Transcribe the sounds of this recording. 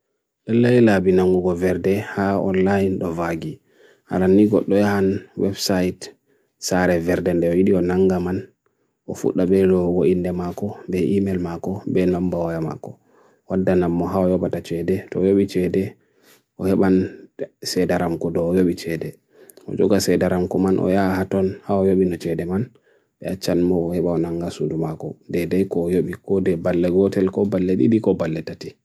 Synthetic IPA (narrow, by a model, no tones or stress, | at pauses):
lɛlːajlabinaŋɡuɡɔvɛɾdɛhaɔ̰nlajnɗɔvaɡi | ha̰ɾanːiɡɔɗːɔjahanwɛbsajt | saɾɛvɛɾdɛndɛɔjiɗiɔnaŋɡaman | ʔɔfṵɗːaɓɛdɔɡoʔindɛmakɔbɛʔimɛlmakɔbɛnambawajama̰kːɔ | wadːanamːɔɦaɔjɔɓatat͡ʃɛdɛtɔjoɓit͡ʃɛdɛ | ʔɔhɛɓansɛdaɾamkɔdɔːjoɓit͡ʃɛdɛ | ɔ̰d͡ʒɔɡasɛdaɾamkɔmanʔɔ̰jahatɔnhawajoɓinɔt͡ʃɛdɛman | ɓɛat͡ʃːanmɔːhɛɓaɔnaŋɡasudumakɔdɛdajkɔjoɓikɔdɛbalːɛɡɔtɛlkɔbalːɛɗḭɗikɔbalːɛtati